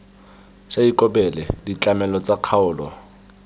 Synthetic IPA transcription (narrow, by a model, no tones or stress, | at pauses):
saikʼɔbɛlɛdit͡ɬʼamɛlɔt͡sʼaq͡χʰaʊːlɔ̰